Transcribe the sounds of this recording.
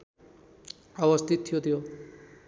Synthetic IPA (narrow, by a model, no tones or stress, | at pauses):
ʌβʌst̪ʰit̪ʰːijot̪ʰijo